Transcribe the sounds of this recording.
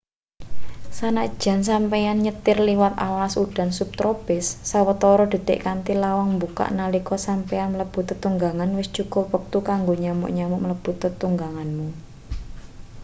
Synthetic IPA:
sanaʔd̥ʒ̥a̤ns̬ampɛjanɲət̪ɪrliwat̪alasuɖ̥a̤nsup̚t̪ɾopɪsːawət̪ɔɾɔd̪̥e̤d̪̥eʔkant̪ilawaŋmbuka̰ʔnalikɔsampɛanmələb̥ṳt̪ət̪uŋɡaŋanwɪsd̥ʒ̥ukɔpək̚t̪ukaŋɡoɲamʊ̰ʔɲamʊ̰ʔmələb̥ṳt̪ət̪uŋɡaŋanmu

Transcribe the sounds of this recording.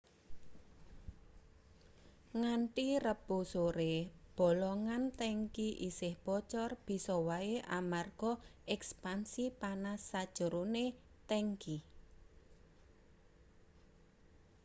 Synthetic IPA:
ŋaɳʈirəb̥o̤soɾeb̥ɔ̤lɔŋant̪ɛŋkiʔisɪhb̥ɔt͡ʃɔrb̥i̤sɔwaeʔamarɡ̥ɔɛkspansipanasːad̥ʒ̥ə̤ɾone | t̪ɛŋki

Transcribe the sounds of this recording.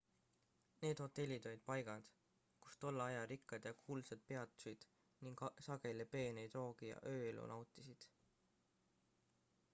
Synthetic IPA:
ne̞ːd̪̥ho̞t̪ːˑe̞lʲːid̪ojd̪̥̚pɑjɡ̥ɑd̪̥ | ku̥st̪o̞lːɑɑjɑɾikːˑɑd̪̥jɑkʰuːlsed̪̥̚pe̞ɑt̪ːˑsujd̪̥ | niŋɡsɑɡ̥e̞lʲepe̞ːnejd̪ro̞ːɡ̥ijɑ̰ʔøːelṵnɑwt̪ːˑisid̪̥

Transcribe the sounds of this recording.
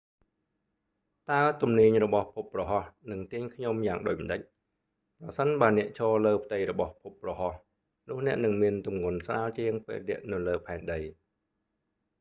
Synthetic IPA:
t̪aɛt̪umniəɲrɔɓɑhpʰuprɑɦɑhnɨŋt̪iəɲkʰɲomjaːŋɗoːc̚məɗəc̚ | prɑsənɓaənɛ̆əʔt͡ɕʰɔːləːpʰt̪ɨjrɔɓɑhpʰup̚ːrɑhɑh | nʊ̆əhnɛ̆əʔnɨŋmiənt̪umŋuənsraːlt͡ɕiəŋpḛːlɗɛ̆əʔnɨwləːpʰaɛnɗəj

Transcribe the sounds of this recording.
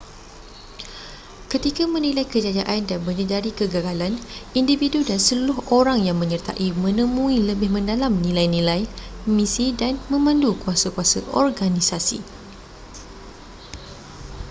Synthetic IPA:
kət̪ikamə̃nilajkəd͡ʒad͡ʒaʔandanməɲədaɾikəɡaɡalanindividudansəlulʊɦoɾaŋjaŋmə̃ɲərt̪a̰ʔimə̃nə̃mũiləbɪhmə̃ndalamnĩlajnĩlajmisidanmə̃mãndukuasakuasa̰ʔɔ̰rɡanisasḭ

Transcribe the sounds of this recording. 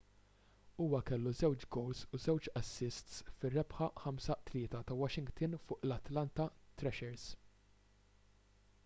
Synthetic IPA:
uːwɐkɛlːuzɛwt͡ʃɡɔwlsuzɛwt͡ʃɐsːɪst̪sfɪrːɛpħɐħɐmsɐt̪lɪːt̪ɐt̪ɐwɐʃɪŋɡt̪ɪnfʊːʔlɐt̪lɐnt̪ɐt̪ɾɛʃɛɾs

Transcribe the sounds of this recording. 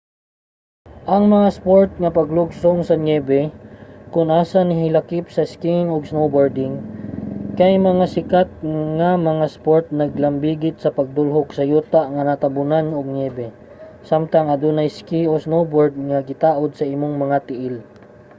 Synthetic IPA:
ʔɐŋmɐŋaspoɹt̪̚ŋɐpɐɡlʊɡsoŋsɐŋɛːbɛkʊnʔaːsanɪɦɪlɐkɪp̚sɐskiŋoɡsnowboɹd̪ɪŋ | kɐjmɐŋasɪkat̪̚ŋamɐŋaspoɹt̪̚nɐɡ̚lɐmbiːɡɪt̪̚sɐpɐɡ̚d̪ʊlɦoksɐjuːt̪aʔŋɐnat̪ɐbʊnanoɡ̚nɛːbɛ | samt̪ɐŋɐd̪unɐjskiosnowboɹd̪̚ŋɐɡɪt̪aːʔod̪̚sɐʔimoŋmɐŋat̪ɪʔɪl

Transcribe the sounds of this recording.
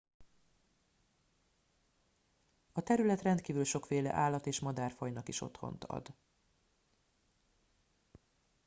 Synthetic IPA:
ɒt̪ɛɾylɛt̪rɛnt̪kiːvylʃo̞kfeːlɛ̰ʔaːlːɒt̪eːʃmɒd̪aːrfɒjnɒkiʃo̞̰t̪ho̞̰nt̪ɒ̰d̪

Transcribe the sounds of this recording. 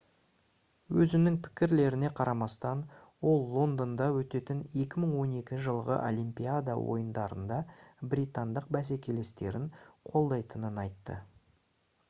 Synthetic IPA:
wɵzɪnɪŋpʰɪ̥kʲɪɾle̞ɾɪne̞qʰɑɾɑmɑst̪ɑn | wo̞lˠːo̞nd̪ond̪ɑwɵt̪e̞t̪ɪne̞kʲɪməɴwo̞ne̞kʲɪnʒəlˠʁə̰ʔo̰lʲˠimpʲiad̪ɑ̰wo̞̰jənd̪ɑɾə̰nd̪ɑbɾʲit̪and̪əqbæs̬e̞kʲe̞le̞st̪e̞ɾɪŋqʰo̞lˠd̪ɑjt̪ənənɑjt̪ːə̰

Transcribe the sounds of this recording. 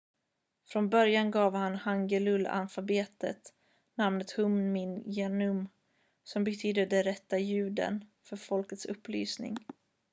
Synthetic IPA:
fɾɔnbœɾjanɡɑːvhanhaŋɡəlɵla̰nfabeːt̪ə̰t̪ | namnət̪hɵmnmɪnjeːnɵm | sɔmbɛt̪ʰyːd̪əɖɛnɾɛt̪ːajʉ̟ːd̪ə̰nfœɾfɔlkət̪sɵpːly̰ːsnɪ̰ŋ

